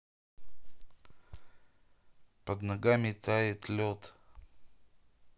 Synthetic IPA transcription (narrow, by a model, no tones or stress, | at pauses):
pəd̪nɐɡamʲɪt̪ajɪt̪lʲot̪